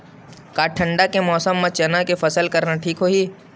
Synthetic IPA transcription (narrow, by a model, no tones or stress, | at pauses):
kaːʈʰːə̃ɳɖakemɔːsəmːãt͡ʃɐnakefɐsəlkɐɾnaʈʰiːkɦoːɦiː